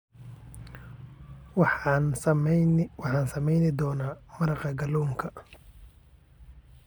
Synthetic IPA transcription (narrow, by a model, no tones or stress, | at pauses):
n | wɑħɑːnsɐmɛjnɪd̪ɔːnaːmɐɾɑqɐɡɐlɔːŋkʰɐ